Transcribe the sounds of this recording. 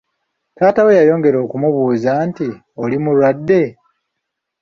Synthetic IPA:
taːtawe̞jajo̞ːŋɡe̞ɾo̞ːkumuβuːzaːnti | o̞limulwadːe̞

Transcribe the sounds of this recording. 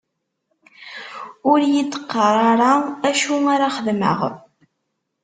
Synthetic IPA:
ʊɾjid̪ə̥qːəɾˤɑɾˤɑæʃuaɾaχəðmə̰ʁ

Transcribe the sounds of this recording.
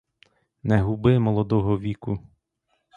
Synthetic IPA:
nɛɦubɪmɔlˠɔd̪ɔɦɔʋʲikʊ

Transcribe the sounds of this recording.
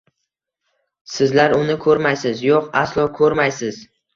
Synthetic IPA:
sɪzlaɾʊnɪkʰɵɾmajsɪzjoqa̰slˠɒkʰɵɾmajsɪz̥

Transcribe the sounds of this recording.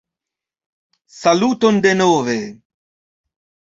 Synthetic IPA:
saluːt̪ond̪enoːve

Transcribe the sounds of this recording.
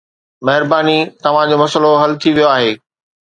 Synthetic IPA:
mɐɦɪɾbaːnit̪ɐʋ̤ãd͡ʑomɐsəloɦɐlt̪ʰiʋijoaːɦeː

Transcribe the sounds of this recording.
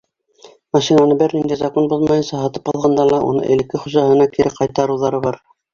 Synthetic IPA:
mɑʃinanɤbɘɾnind̪æjzɑkonbuzˠmɑjɤ̆nsɑɦɑt̪ɤpɑlˠʁɑnd̪ɑlˠɑʔṵnɤ̰ʔɘ̰̆lɘ̆kːɘχuʑɑɦɤ̆nɑkiɾɘqɑjt̪ɑɾɤ̆wðɑɾɤβɑɾ

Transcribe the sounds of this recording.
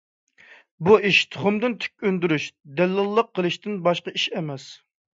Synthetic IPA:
buiʃt̪ʰʊ̥χʊmd̪ɨnt̪ʰy̥k̚ʲønd̪yɾyʃd̪ɛlːɨlˠːəqʰːəlˠɨʃt̪ɪnbɑʃqɑiʃɛmɛs

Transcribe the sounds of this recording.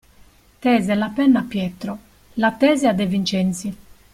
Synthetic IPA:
t̪ɛːzɛlapɛnːapːjɛt̪ɾɔ | lat̪ːɛːzɛad̪ɛvint͡ʃɛnt̪si

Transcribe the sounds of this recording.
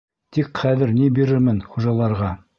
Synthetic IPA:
t̪ikχæðɘɾnibiɾɘɾmɘnχuʒɑlˠɑɾʁɑ

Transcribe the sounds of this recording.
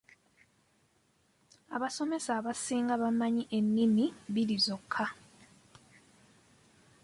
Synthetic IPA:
aβaso̞me̞saβasiːŋɡaβamaɲiʔe̞nːimiβiɾizo̞kʰːa

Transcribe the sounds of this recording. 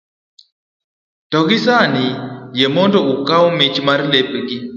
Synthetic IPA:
tɔɡɪsanɪjemɔndɔukawmɪt͡ʃmarlepɡɪ

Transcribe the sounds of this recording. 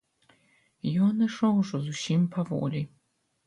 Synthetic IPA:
jɔnɨʂɔwʐɔzusʲimpʰavɔ̰lʲi

